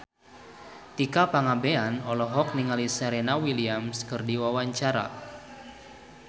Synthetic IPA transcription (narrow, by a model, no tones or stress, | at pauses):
t̪ikapaŋabeanɔlɔɦɔk̚niŋalisɛɾɛnawiliamskɨrdiwawaɲt͡ʃaɾa̰